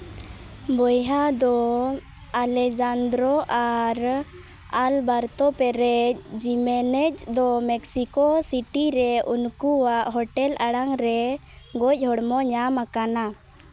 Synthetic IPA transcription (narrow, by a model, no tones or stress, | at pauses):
bɔjɦad̪ɔ | alɛd͡ʒand̪ɾɔʔaɾ | albaɾt̪ɔpɛɾɛc̚ˀd͡ʒimɛnɛc̚d̪ɔmɛksikɔsiʈiɾɛʔunkuwaʔɦɔʈɛlʔaɽaŋɾɛɡɔc̚ˀɦɔɽmɔɲamakana